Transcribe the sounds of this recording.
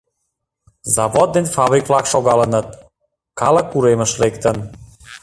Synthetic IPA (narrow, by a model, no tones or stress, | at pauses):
zɑvod̪̚ːenʲfɑβɾiklɑkʃoɣɑlənə̆t̪̚ | kɑlə̆kːuɾemə̆ʃlekt̪ən